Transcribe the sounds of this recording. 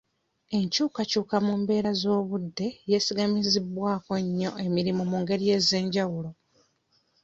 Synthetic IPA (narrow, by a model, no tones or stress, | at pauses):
e̞ɲcuːkacuːkamumbe̞ːɾazo̞ːβudːe̞jesiɡamizibwaːkoɲːo̞ʔe̞miɾimomuːŋɡe̞ɾije̞ːzeːɲɟawulo̞